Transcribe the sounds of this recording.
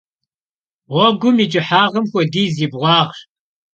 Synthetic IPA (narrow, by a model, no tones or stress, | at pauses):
wɔɡʷʊmid͡ʒʼɪħaːʁɐmxʷɔdiːziːbʁʷɑːʁɕ